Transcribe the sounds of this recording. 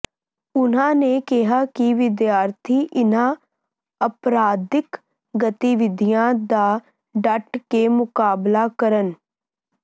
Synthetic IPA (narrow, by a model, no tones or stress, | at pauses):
ʊn̤ãːneːkɪɦaːkɪʋɪd̪jaːɾt̪ʰiːʔɪnãː | əpɾaːd̪ɪk | ɡət̪iʋɪd̪ʱijãːd̪aː | ɖəʈkeːmʊkaːblaːkəɾən